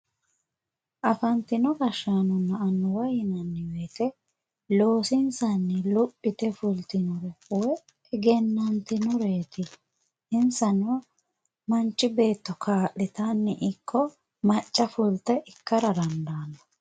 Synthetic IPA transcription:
ʔɐfɐnt̪ɪnɔɡɐʃaːnɔnːɐːnːɔwɐjɪnɐnːɪweːt̪ɛ | lo̞ːsɪnsɐnːɪlʊpʼːɪt̪ɛfʊlt̪ɪnʊɾɛwɛ | ɛɡɛnːɐnt̪ɪnʊɾeːt̪ɪ | ɪnsɐnɔ | mɐnt͡ʃːɪbe̞ːt̪ːɔkʰaːʔːɪt̪ɐnːɪʔɪkʰːɔ | mɐt͡ʃʼːɐfʊlt̪ɛʔɪkːɐɾɐd̪ɐnd̪aːnːɔ̥

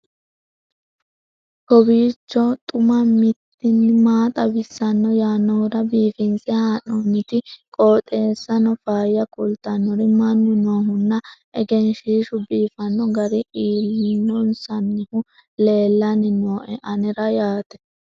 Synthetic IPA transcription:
kɔbiːt͡ʃːɔt̪ʼʊmɐmɪt̪ːɪnːɪmaːt̪ʼɐbɪsːɐnːɔjaːnːɔʊɾɐbiːfɪnsɛhaːnɔmɪt̪ɪkʼɔːt̪ʼe̞ːsːɐnɔfaːjːɐkʼʊlt̪ɐnːɔɾɪmɐnːʊnoːɦʊnːɐ | ɛɡɛnʃiːʃʊbiːfɐnːɔɡɐɾɪʔiːlːinːɔnsɐnːɪhʊ | le̞ːlːɐnɪnoːʔɛʔɐnɛɾɐjaːt̪ɛ̥

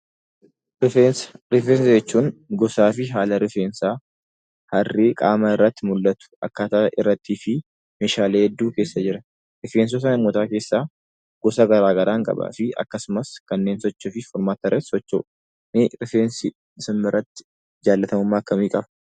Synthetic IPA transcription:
ɾɪfesɾɪfeːns̬ɐd͡ʒɛt͡ʃːuːŋɡɔsaːfɪɦaːlɐɾɪfeːnsaː | hɐrːeːkʼa̰ːmɐɪrːɐt̪ːɪmʊlːɐt̪ʊ̥ʔɐ̰kːat̪aːʔɪrːɐt̪ːiːfɪ | meːʃaːle̞ːhɛd̪ːuːke̞ːsːɐd͡ʒɪɾɐ | ɾɪfeːns̬ɔs̬ɐnɐmːoːt̪aːke̞ːsːaː | ɡ̥ɔsɐɡɐɾaːɡɐɾaːŋkʼɐ̰ba̰fɪɐ̰kːɐsʊmɐskɐnːe̞ːnsɔt͡ʃːɐfɪfɔɾmaːt̪ɐrɛt̪sɔt͡ʃːo̰ | nɪɾɪfeːnsɪ | sɪmːɪrːɐt̪ːɪ̥ | d͡ʒaːlːɐt̪ɐmʊmːaːɐkːɐmiːkʼɐbɐ

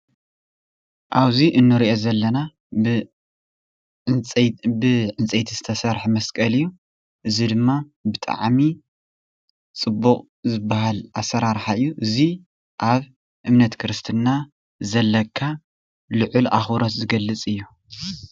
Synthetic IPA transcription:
ʔaβziʔɨnːɨɾiʔo̞zɐlːɐna | bɨʕɨnt͡sʼejt̪ʰizɨt̪ʰɐsɐɾħumɐskʼɐlɨjːu | ʔɨzid̪ɨmːa | bɨt̪ʼa̰ʕmi | t͡sʼɨbːuqʼ | zɨbːahalʔasːɐɾaɾħaɨjːuʔɨzi | ʔaβ | ʔɨmnɐt̪kʰɾɨst̪ʰɨnːa | zɐlːɐkʰːa | lɨʕʊlʔa̰xɾot̪zɨɡɐlːɨt͡sʼɨjːu

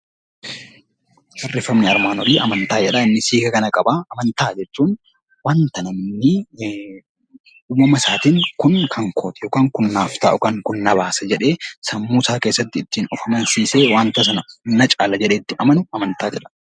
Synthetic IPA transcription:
ʃɐrːɪfːɐmnɪɐɾmaːnɔɾiːʔɐmɐnt̪aːd͡ʒɛᶑɐɪnːɪsiːɡɐkɐnɐkʼɐbaːʔɐmɐnt̪aːd͡ʒɛt͡ʃːuːn | waːnt̪ɐnɐmɪnːɪ | uːmɐmɐsaːt̪iːŋkʊnkʰɐŋkʰoːt̪ɛjoːkaːŋkʊnːaːft̪aːʔʊkɐŋkʊnːɐbaːsɐd͡ʒɛᶑe̞ːsɐmːuːsaːkeːsːɐt̪ːɪːt̪ːiːnɔfɐmɐnsiːseːwaːnt̪ɐs̬ɐnɐnɐt͡ʃʼaːlɐd͡ʒɛᶑeːt̪ːɪʔɐmɐnʊɐmɐnt̪aːd͡ʒɛᶑɐ̥

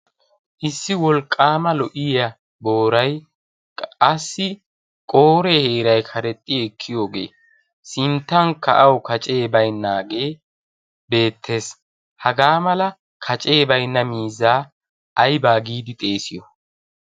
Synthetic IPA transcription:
ʔɪsːɪwɔlkʼːaːmɐlɔʔɪjɐ | bo̞ːɾɐj | ɐsːɪ | kʼo̞ːɾɛhe̞ːɾɐjkʰɐɾɛt̪ʼːɪɛkʰːɪjo̞ːɡe̞̰ː | sɪnt̪ːɐŋkɐʔɐwkɐt͡ʃʼe̞ːbɐjnːaːɡe̞ː | be̞ːt̪ʰːe̞ːs | hɐɡaːmɐlɐ | kʰɐt͡ʃʼe̞ːbɐjnːɐmiːzːaː | ʔɐjbaːɡiːd̪ɪt̪ʼe̞ːsɪjɔ

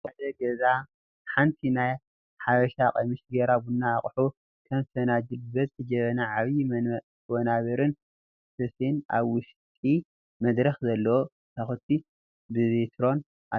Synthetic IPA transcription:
ad̪ɐɡɐza | ħant̪ʰinaj | ħaβɐʃakʼɐmɨʃɡɐɾabunːaːχʼħu | kʰɐmsɐnad͡ʒɨlbɐt̪t̪ʰɨd͡ʒɐβɐnaʕaβi | wɔnaβɐɾɨn | sɨsena̰βwʊʃt̪ʼi | mɐd̪ɾɐxzɐlːɐwo | t̪ʰaxut̪ʰːi | bɨβet̪ʰɾo̞n | ʔa

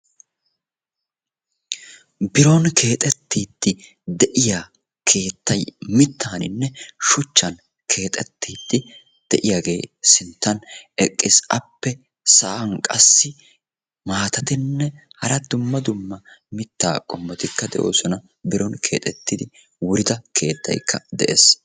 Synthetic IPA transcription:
bɪɾɔnkʰe̞ːt̪ʼɛt̪ːiːd̪̥ːɪ | d̪ɛʔɪjaː | kʰe̞ːt̪ːɐjmɪt̪ʰːaːnɪ̰nːɛʃʊt͡ʃːɐn | kʰe̞ːt̪ʼɛt̪ʰːiːd̪̥ːɪ | d̪̥ɛʔɪjaːɡe̞ːsɪnt̪ːɐnɛkʼːɪsɐpːɛ | sɐʔɐŋkʼɐsːɪ | maːt̪ɐt̪ɪnːɛhɐɾɐd̪ʊmːɐd̪ʊmːɐmɪt̪ːa̰ːkʼɔmːɔt̪ɪkːɐd̪ɛ̰ʔo̞̰ːsɔnɐ | bɪɾɔnkʰe̞̰ːt̪ʼɛt̪ːɪd̪ɪ | wʊɾɪd̪ɐkʰe̞̰ːt̪ːɐ̰jkʰːɐd̪ɛʔḛːs

